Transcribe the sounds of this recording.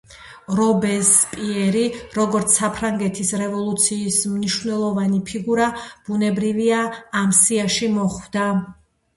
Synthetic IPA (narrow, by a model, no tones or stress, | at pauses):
ɾɔbɛspʼiɛɾiɾɔɡɔɾt̪sʰapʰɾaŋɡɛt̪ʰisɾɛvɔlˠut̪sʰiːsmniʃvnɛlˠɔvanipʰiɡuɾab̥unɛbɾiviaːmsiaʃimɔχvd̪a